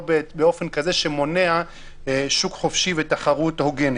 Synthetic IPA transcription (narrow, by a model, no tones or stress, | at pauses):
bebeo̞fenkazeʃemo̞nea | ʃukχofʃivet̪aχaʁut̪hoɡeni